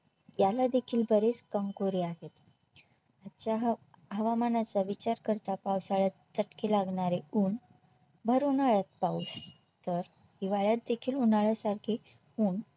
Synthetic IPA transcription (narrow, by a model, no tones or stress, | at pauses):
jalad̪ekʰiːlbəɾet͡skəmkoɾiaɦet̪ | at͡ɕjaɦ | ɦəʋamanat͡saʋit͡ɕaɾkəɾt̪apawsaɭat̪t͡səʈkelaɡɳaɾeuːɳ | bʱəɾunaɭjat̪̚paus | t̪əɾd̪iʋaɭjat̪̚d̪ekʰiːlunaɭasaɾkʰe | uːɳ